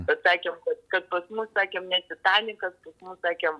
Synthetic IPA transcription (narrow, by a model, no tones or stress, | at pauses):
kɐt̪sɑːkʲemkɐt̪kɐt̪̚pɐsmʊssɑːkʲeːmnʲɛtʲɪt̪ɑːnʲɪkɐt̪̚pɐsmʊssɑːkʲɛːm